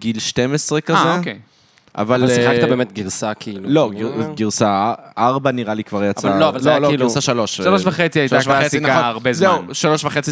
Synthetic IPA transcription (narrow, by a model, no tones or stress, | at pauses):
ɡilʃtemesʁekazeke | a̰valasiχaktabeːmet̪̚ɡiʁsakʰiilulo̞ɡiɡiʁsaaʁbaniʁalikvaʁjat͡savaloavalloloɡuiʁsaʃalo̞ʃʃaloʃvaχet͡siajitaaovaet͡sinaoʁbezzeuʃalo̞ʃvaχet͡si